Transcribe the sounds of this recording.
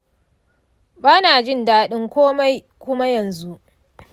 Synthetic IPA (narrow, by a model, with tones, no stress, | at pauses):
baː˦naː˨d͡ʒɪ˦˨ndaː˦ɗɪ˦ŋkʷoː˦ma˦ | kʷʊ˦ma˦jɐ˨nzu˦ʔ